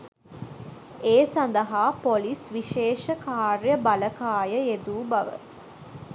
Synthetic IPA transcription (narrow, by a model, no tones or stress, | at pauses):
eːsand̪əɦaːpolisʋiʃeːʃəkaːrjəbɐləkaːjəed̪uːbɐʋə̰